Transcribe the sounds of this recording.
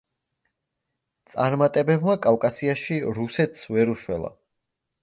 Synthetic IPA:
t̪sʼaɾmat̪ʼɛbɛbmakʼavkʼasiaʃiɾusɛt̪ʰsvɛɾuʃwɛ̰lˠa̰

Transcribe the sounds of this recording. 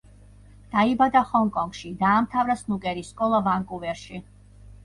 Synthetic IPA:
d̪̥aibad̪aχɔŋkʼɔŋɡ̥ʃid̪aːmt̪ʰavɾasnukʼɛɾiskʼɔlˠavaŋkʼuvɛɾʃi

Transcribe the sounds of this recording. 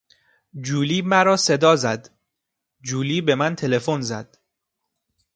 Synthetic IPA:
d͡ʒuːliːmæɾɒːse̞d̪ɒːzæd̪ | d͡ʒuːliːbe̞mænt̪ʰe̞le̞fonzæd̪̥

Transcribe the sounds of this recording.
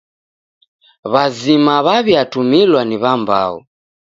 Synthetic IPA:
βazimaβaβjatumilwaniβamba̰ṵ

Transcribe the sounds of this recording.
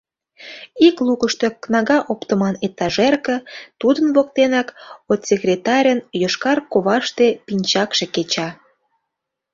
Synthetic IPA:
iklukəʃt̪eknɑɣɑʔopt̪əmɑnet̪ːɑʒerkə̆t̪ud̪ənβok̚t̪enɑkot̪sʲekrʲet̪ɑɾʲənjoʃkɑrkoβɑʃt̪epinʲt͡ɕɑkʃeket͡ɕɑ

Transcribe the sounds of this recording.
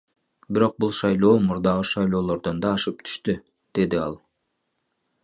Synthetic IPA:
biɾo̞q̚bulˠʃɑjlˠo̞ːmuɾd̪ɑʁɯʃɑjlˠo̞ːlˠo̞ɾd̪ond̪ɑːʃɯp̚t̪ʰy̥ʃt̪y | d̪̥e̞d̪iɑlˠ

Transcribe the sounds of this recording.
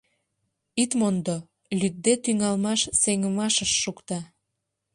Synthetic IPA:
it̪mond̪o | lʲyt̪̚d̪et̪yŋɑlmɑʃseŋəmɑʃəʃːukt̪ɑ

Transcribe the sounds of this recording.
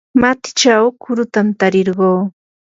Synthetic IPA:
mat̪ɪ̥t͡ʃawkʊɾʊt̪amt̪aɾeɾɢoː

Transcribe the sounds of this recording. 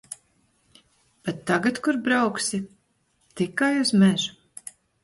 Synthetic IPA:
b̥et̪ːaɡat̪kuɾbɾawksi | t̪ikajuzmɛʒu

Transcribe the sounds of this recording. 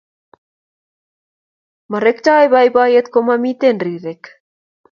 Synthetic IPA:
mɑɾekt͡ʃɑːjβɑjbɑːjet̪komɑmit̪enriːɾek

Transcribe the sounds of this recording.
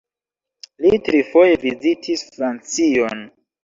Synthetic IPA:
litɾifo̞jevizitʰisfɾant͡sion

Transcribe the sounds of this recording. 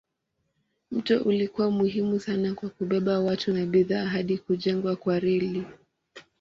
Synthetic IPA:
m̩tɔʔulikuwamuɦimusanakwakuɓɛɓawatunaɓiðaɦaɗikuʄɛŋɡwakwaɾɛli

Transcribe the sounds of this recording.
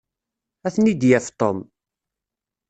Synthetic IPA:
æθnid̪jæft̪ˤom

